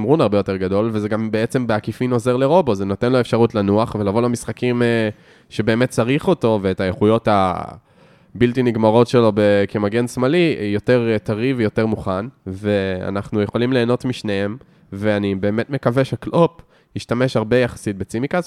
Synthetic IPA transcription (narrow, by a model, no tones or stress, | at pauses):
mʁunaʁbe̞jote̞ʁɡado̞lvezeɡambeet͡se̞mbeakifino̞ze̞ʁle̞ʁo̞bozeno̞te̞nloefʃaʁutlanuaχve̞lavo̞lamisχakim | ʃe̞be̞ːmet̚t͡saʁiχo̞to̞veːtajeχujo̞tha̰ | biltiniɡmaʁo̞tʃe̞lo̞bekemaɡe̞nsmalijo̞te̞ʁtaʁivejo̞te̞ʁmuχanve̞a̰naχnujeχo̞limle̞ːnotmiʃnee̞m | ve̞anibe̞ːme̞tme̞kave̞ʃeaklo̞p | hiʃtame̞ʃhaʁbe̞jaχḁsit̚bet͡simikaz